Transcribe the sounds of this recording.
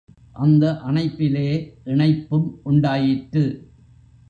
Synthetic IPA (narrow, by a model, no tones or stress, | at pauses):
ʔɐnd̪ɐʔɐɳɐɪpːɪleːʔɪɳɐɪpːɯmʔʊɳɖaːjɪʈɾɯ